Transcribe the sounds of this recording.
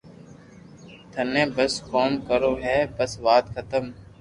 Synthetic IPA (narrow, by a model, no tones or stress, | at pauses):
t̪ʰənẽːbəskoːmkəɾoːɦɛːbəsʋaːt̪kʰət̪əm